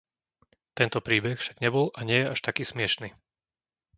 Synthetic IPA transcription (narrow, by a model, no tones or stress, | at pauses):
t̪ɛnt̪ɔpɾiːbɛxfʃaɡɲɛbɔlʔaɲɪɛjɛʔaʃt̪akiːsmɪɛʃni